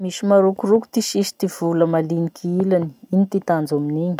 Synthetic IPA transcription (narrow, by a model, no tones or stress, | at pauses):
miʃimaɾukuruku̥t̪iʃiʃi̥t̪iv̥uləmalinikʰiilani̥init̪it̪and͡zaminiɲi̥